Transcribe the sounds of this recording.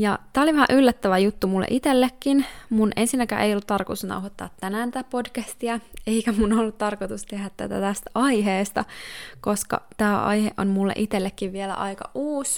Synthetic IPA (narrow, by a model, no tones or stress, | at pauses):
jɑt̪æːoliʋæhæ̰ʔylːæt̪ːæʋæjut̪ːumulːḛʔit̪elːekːinmunʔensinːækæ̰ʔeijolːut̪t̪ɑrkot̪u̥snɑ̰wɦot̪ːɑ̰ːt̪ːænæːnit̪æpodkæst̪iɑe̞ikæmunolːut̪t̪ɑrkot̪ust̪ehæt̪t̪ːæt̪æ̰t̪æst̪æɑjɦeːst̪ɑkoskɑ̰t̪æːɑ̰jheʔo̰nmulːḛʔit̪elːekːiʋʋielæ̰ʔɑjkɑ̰ʔuːs